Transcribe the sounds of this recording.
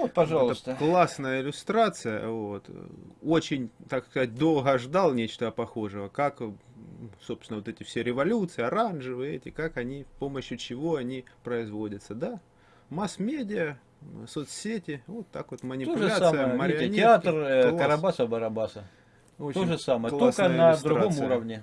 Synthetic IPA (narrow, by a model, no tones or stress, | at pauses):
ot̪pɐʐalˠt̪əst̪əklˠasnəjəɪlʲʊst̪ɾat̪sɨjə̰vot̪o̞t͡ɕɪnʲt̪akskɐzat̚ʲd̪o̞lˠɣəʐd̪alˠnʲet͡ɕt̪əɐpɐxo̞ʐɨvəkak | sopst̪ʲɪnəvot̪ɛtʲɪfsʲeɾʲɪvɐlʲut̪sɨɪɐɾanʐɨvɨɛtʲɪkakɐnʲispo̞məɕːjʊt͡ɕɪvoɐnʲipɾəɪzvo̞dʲət̪səd̪a | masmʲedʲɪjə | sot̪ssʲetʲɪvo̞t̪ːa̰kvot̪mənʲɪlʐɨaamɨjəməɾɪɐnʲɪat̪rˠkɐɾɐbasəbɐɾɐbasə | ot͡ɕt̪oʐɨsaməjəkltolskənɐd̪ɾʊɡomuɾəvnʲɪ